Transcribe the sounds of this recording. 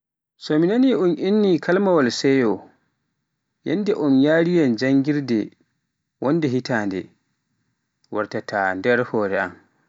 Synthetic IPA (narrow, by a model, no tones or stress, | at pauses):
sɔminaniʔunʔinːikʰalmawalsɛjɔ | jɛndɛʔɔnjaːɾijand͡ʒaŋɡiɾdɛ | wɔndɛɦitaːndɛ̰ | waɾtatandɛɾhɔːɾɛa̰m